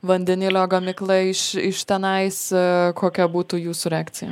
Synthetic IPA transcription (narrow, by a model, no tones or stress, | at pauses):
ʋɐnʲd̪ʲɛnʲɪlʲoːɡɐmʲɪklˠɐɪʃɪʃt̪ʲɛnɐɪskʰoːkʲɛbuːt̪uːjuːsʊɾʲɛaːktt͡s̪ʲɪjɛ̰